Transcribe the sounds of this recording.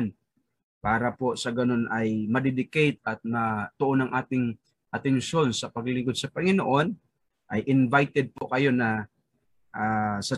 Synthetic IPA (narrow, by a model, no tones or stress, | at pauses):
n | paːɾɐposɐɡɐno̞nʔɐjmɐd̪ɛd̪ɪkɛjt̪̚ɐt̪̚mɐt̪ʊʔonɐŋʔaːt̪ɪŋ | ʔɐt̪ɛnʃo̞nsɐpɐɡlɪŋɡod̪̚sɐpɐŋɪnoʔo̞n | ʔɐjʔɪnvajt̪ɛd̪̚pokɐjo̞nɐ | ʔaːsɐ